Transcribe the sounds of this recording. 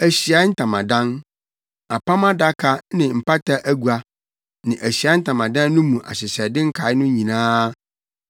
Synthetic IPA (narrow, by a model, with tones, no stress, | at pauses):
æ˨ɕi˨a˦n̩˦tʰã˨mã˨dã˦n | a˨pʰa˦mã˦da˦kʰa˦nɪ̃˨m̩˨pa˦tʰa˦ʔæ˦ɡu˨a˨ | nɪ̃˨ʔæ˨ɕi˨a˨˦n̩˦tʰã˨mã˨dã˦nː˦ʊ̃˦mũ˨ʔa̰˨ɕɪ˨ɕɛ˨dɪ˦ŋ̩˦kʰa˨˦ɪ˦nʊ̃˦ɲĩ˨nãː˦